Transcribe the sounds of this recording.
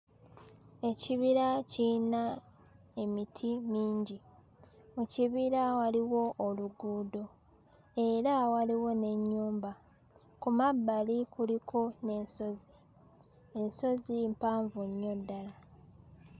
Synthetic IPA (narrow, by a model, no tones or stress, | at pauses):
e̞ciβiɾacina | e̞mitʰimiːɲɟi | muciβiɾawaliwo̞ʔːluɡuːdo̞ | e̞ɾawaliwo̞ne̞ɲːuːmba | kumabːalikulikʰo̞ne̞nsozi | enso̞zimpaːɱvuɲːo̞dːala